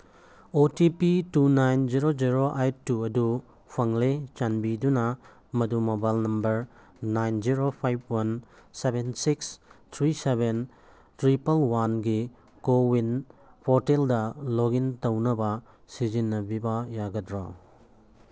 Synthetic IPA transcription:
otipitunajnd͡ʒiɾod͡ʒiɾoʔajtuɐdu | pʰɐŋlet͡ʃanbidunɐ | mɐdumɐbalnɐmbɐɾ | najnziɾopʰajb̚ʰwɐnsebensikst̪ʰɾiseben | tʰɾipɐlwanɡi | kowinpʰoɾteldɐloɡintɐwnɐbɐ | sizinːɐbibɐjaɡɐtɾɔ̰

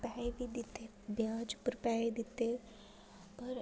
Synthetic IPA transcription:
pɛːebʱid̪ɪt̪e | bjaːd͡ʒpəɾpɛːed̪ɪt̪ːe | pɐɾ

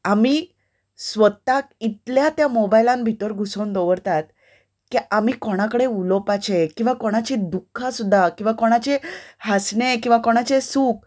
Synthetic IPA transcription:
ami | sʋət̪ak̚it̪ljat̪jamɔbajlãnbʱit̪əɾɡʱusond̪ɔʋəɾt̪at̪̚ | kiamikoɽ̃akəɽeulɔpat͡ɕekĩw̃ʋakoɽ̃at͡ɕid̪ukʰːãsud̪ʱːakĩw̃ʋakoɽ̃at͡ɕehasɳekĩw̃ʋakoɽ̃at͡ɕesuːk̚

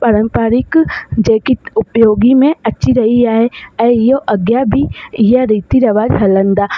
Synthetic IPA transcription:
pɐɾə̃mpəɾɪkd͡ʒẽːkiʊpjoːɡimẽɐtːt͡ʃiɾɐɦiaːɦeɛ̃ːɪɦoʔɐɡjabɪɪɦaɾiːt̪iɾɐʋaːd͡ʒɦɐlə̃nd̪aː

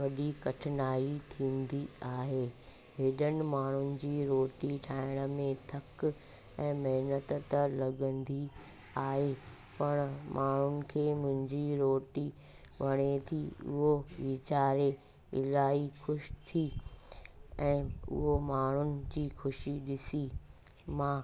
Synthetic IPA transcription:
ʋɐɗikɐʈʰɪnaːit̪ʰĩːnd̪iaːɦeː | ɦeɗənɪ̆maːɳ̤ʊnɪ̆d͡ʑiːɾoːʈiʈʰaːɪɽ̃ə̆mẽt̪ʰɐk | ɛ̃ːmɐɦnət̪t̪əlɐɠə̃nd̪i | aːɦe | pɐɽ̃mʔaːɳ̤ʊnɪ̆kʰeːmʊ̃ɦɪ̃ɲd͡ʑiɾoːʈi | ʋɐɽ̃et̪ʰiʊ̰ɦoʋɪt͡ɕaːɾe | ɪ̰laːixʊʃt̪ʰi | ɛ̃ːʊ̰ɦomaːɳ̤ʊnɪ̆d͡ʑiːxʊʃiɗɪsi | mãː

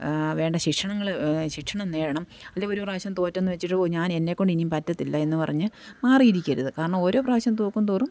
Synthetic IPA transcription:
ʋe̞ːɳɖɐɕikʂɐɳɐŋːɐɭɕikʂɐɳɐmneːɻɐɳɐm | ɐlːeo̞ɾupraːɕjɐmt̪o̞ːtːɐnːɨʋet͡ɕːiʈːɨoɲaːne̞nːe̞kːo̞ɳɖinimpɐtːɐt̪ːilːɐe̞nːɨpɐrɐɲːɨmaːrijiɾikʲːɐɾuðɨkaːɾɐɳɐmo̞ːɾo̞ːpraːɕjɐmt̪oːkːumt̪oːrum

